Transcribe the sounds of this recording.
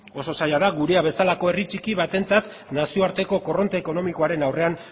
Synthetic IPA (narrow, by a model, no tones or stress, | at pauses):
o̞so̞sajaðaɡuɾe̞aβe̞salako̞e̞rit͡ʃikiβat̪e̞nt͡sat̪ | nasioaɾt̪e̞ko̞ko̞ro̞nt̪e̞ːko̞no̞miko̞aɾe̞nawre̞an